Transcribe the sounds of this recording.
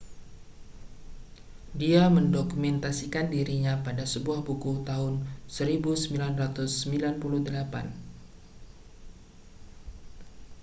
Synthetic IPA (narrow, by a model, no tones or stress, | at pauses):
diaməndokumɛnt̪asikandiɾiɲapadasəbuahbukut̪aɦʊnsəɾibusəmbilanrat̪ʊsːəmbilanpuluhdəlapa̰n